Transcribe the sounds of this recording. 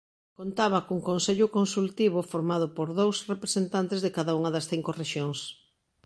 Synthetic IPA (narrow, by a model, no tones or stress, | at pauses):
kont̪aβɐkuŋkonseʎʊkonsult̪iβʊfoɾmað̞ʊpoɾðowsrepɾesent̪ant̪ezðekaðauŋɐðɐsθiŋkʊreʃjoŋs